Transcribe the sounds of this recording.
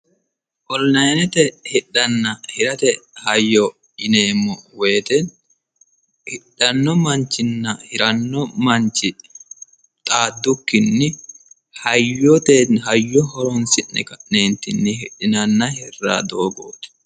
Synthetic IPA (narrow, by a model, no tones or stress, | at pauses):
ʔɔlnɐjnɛt̪ɛhɪɗːɐnːɐhɪɾɐt̪ɛhɐjːɔ | ɪneːmːɔweːt̪ɛn | hɪɗːɐnːɔmɐnt͡ʃːɪnːɐhɪɾɐnːɔmɐɲt͡ʃːɪ | t̪ʼaːd̪ːʊkːɪnːɪ | hɐjɔt̪enɦɐjːɔhɔɾɔnsɪnːɛ̰kɐʔneːnt̪ːɪnːɪhɪɗɪnɐnːɐhɪrːa̰ːd̪oːɡo̰ːt̪